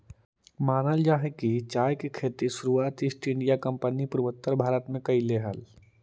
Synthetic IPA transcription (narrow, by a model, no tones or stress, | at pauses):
maːnəld͡ʒaɦekit͡ʃajkekʰet̪isuɾuaːt̪ɪsʈɪ̃ɳɖijakəmpənipuɾʋət̪ːəɾbʱaːɾət̪mẽkəileɦə̰l